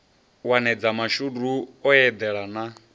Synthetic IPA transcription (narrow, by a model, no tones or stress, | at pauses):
wanɛd͡zamaʃuduɔjɛd̪ɛɺana